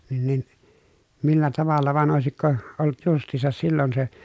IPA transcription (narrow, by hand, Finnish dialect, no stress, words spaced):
nin nin milːæ tɑʋɑlːɑ ʋɑn oˑesikːo olˑŭt justˑiːsɑs silːon se